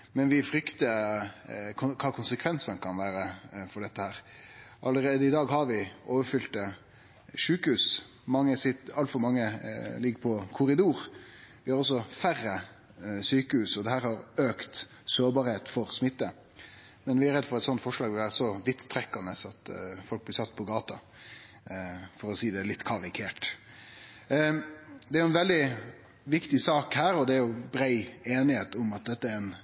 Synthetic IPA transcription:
mɛnʋɪfɾʏkt̪ə | kʰʊkʰɑːkʰʊnsəkʰʋɛnsənkʰɑnʋæːɾəfɔɖɛt̪ːəhæːɾʔɑləɾeːd̪əɪd̪ɑːɡɦɑɾʋɪʔoːʋəɾfʏlt̪ə | ʂʉːkəhʉːs | mɑŋːəsɪt̪ɑlt̪fɔɾmɑŋːəlɪɡːəpʰɔkʰʊɾɪd̪uːɾʋɪhɑɾɔs̬ːɔfærːə | syːkəhʉːsɔd̪ɛɦæːɾhɑɾøːkt̪ | soːɾbɑːɾheːt̪fɔɾsmɪt̪ːə | mɛnʋɪæɾɛd̪ːfɔɾɛt̪sɔnt̪fɔʂlɑːɡʋɪlʋæːɾsɔʋɪt̪t̪ʰːɾɛkːɑnəsɑt̪fɔlk̚blɪsɑt̪ːpʰɔɡɑːt̪ɑ | fɔɾɔsiːd̪ɛlɪt̪ːkʰɑɾɪkʰeːʈ | d̪ɛæɾjʊɛnʋɛld̪ɪ | ʋɪkt̪ɪsɑːkhæːɾɔd̪ɛæɾjʊbɾæɪeːnɪheːt̪ʊmɑt̪̚d̪ɛt̪ːəæɾɛn

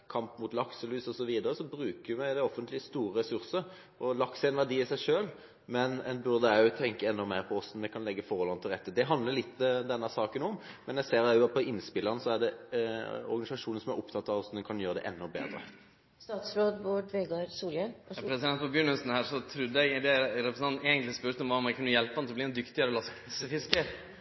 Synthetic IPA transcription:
kʰɑmpmʊt̪lɑksəlʉːsɔsɔʋiːd̪əɾəsɔbɾʉːkəjɪmæɪd̪ɛɔfənt̪lɪst̪uːɾəɾɛsʉʁsəɾ | ɔlɑksəɛnʋæʁɖiːɪsæɪʂøːl | mɛnɛnbʉʁd̪əæʉt̪ʰɛŋkəɛnːɔmeːɾpʰɔɔsn̩mɛkʰɑnɛɡːəfɔʁɔlɑnt̪ʰɪlʁɛt̪ːəd̪ɛɦɑnd̪ləlɪt̪ːd̪ɛnːəsɑːkənɔmmɛnjæseːɾæjʊɑt̪̚pʰɔɪnspɪləʁnəsɔæd̪ɛ | ɔ̰ɾɡɑɪsɑʂuːnən̩sɔmæɾʊpt̪ʰɑt̪ːɑʋɔsnənkʰɑnjøːɾəd̪ɛ̰ʔɛ̰nːɔbḛːd̪ɾə̰ | st̪ɑːt̪sɾoːd̪boɖʋeːɡɑɾsuːləpʰɾɛsɪd̪ɛnt̪pʰɔbjʉnʉsn̩hæːɾʂɔt̪ʰɾʉd̪ːəɛɡd̪ɛɾɛpɾəsn̩ɑneːɡənt̪lɪspœɾt̪ɔmʋɑɔmɛkʰʉnːəjɛlpːɑnsɔblɪɾɛnd̪ʏkt̪ɪəɾɔlɑspʰsəfɪskəɾ

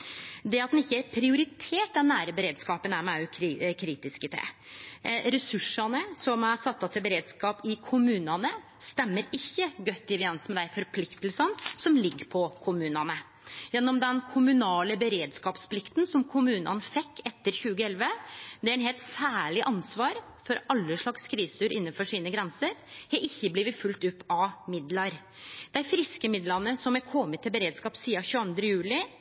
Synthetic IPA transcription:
d̪ɛɑt̪̚d̪ɛnɪçːəæɾpʰɾɪʊɾɪt̪ʰeːʈ̚d̪ɛnːæːɾəbəɾeːd̪skɑːpənæɾmɛæjʉkʰkʰɾiːt̪ɪskət̪ʰɛ̰ | ɾɛsʉʂɑnəsɔmæɾsɑt̪sɑt̪ʰɪlbəɾeːd̪skɑːpɪkʰʊmʉːnɑnəst̪ɛmːəɾɪçːəɡœt̪ːɪʋɪɛnsmɛd̪æɪfɔɾpʰlɪkt̪əlsɑnsɔmlɪɡːəɾpʰɔkʰʊmʉːnɑnə | jɛnːɔmd̪ɛnkʰʊmʉnɑːləbəɾeːd̪skɑːpspʰlɪkt̪nsɔmkʰʊmʉːnə̰nfɛkːɛt̪ːəɾçʉːɡəɛlʋəd̪ɛæɾɛnheːlt̪sæːɭɪʔɑnsʋɑːɾ | fɔɾʔɑlːəʂɭɑkskɾiːsʉːɾʔɪnːənfɔʂiːnəɡɾɛnsəɾhɑɾɪçːəbliːʋət̪fʉlt̪ʉpːɑʋmɪd̪lɑɾ | d̪̥æɪfɾɪskəmɪd̪lɑnəsɔmæɾkʰɔmːət̪ʰːɪlbəɾeːd̪skɑːpsiːɑçʉːɑnd̪ɾəjʉːlɪ

